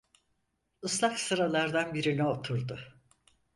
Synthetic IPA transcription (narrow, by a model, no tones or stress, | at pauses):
ɯslˠaksɯɾalˠaɾd̪anbiɾinɛo̞t̪ʰuɾd̪ʊ